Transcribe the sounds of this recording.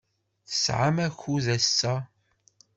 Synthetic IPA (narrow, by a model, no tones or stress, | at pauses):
θə̥sʕa̰mæçuðæsːæ